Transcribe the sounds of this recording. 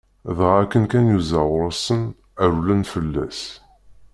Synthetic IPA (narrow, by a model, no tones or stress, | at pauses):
ðʁækːənkænjuzæʁɾˤəsən | æɾulænfəlːæ̰s